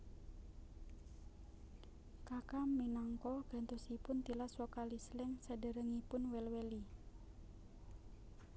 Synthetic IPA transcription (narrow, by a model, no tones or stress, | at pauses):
kakamːinaŋkɔɡ̥a̤nt̪usipʊnt̪ilaswɔkalislɪŋsədə̤ɾəŋipʊnwɛlwɛli